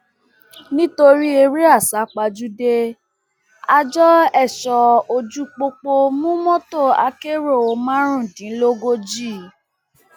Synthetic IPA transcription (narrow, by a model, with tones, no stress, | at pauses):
nĩ˦to˧ɾi˦e˧ɾi˦a˦˨sa˨˦k͡pa˧d͡ʒu˦de˦˧ | a˧d͡ʒɔ˦ɛ˦˨ʃɔ˧o˧d͡ʒu˦k͡po˧k͡po˧mũ˦mɔ̃˦to˦˨a˧ke˦˨ɾo˦˨o˨˦mã˦ɾ̃ũ˦˨dĩ˨˦lo˦ɡo˦d͡ʒi˦˨